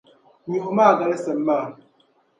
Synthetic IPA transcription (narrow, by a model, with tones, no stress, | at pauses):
ɲo˨ʔmaː˦˨ɡa˨le˦sɛ˨m˦maː˦˨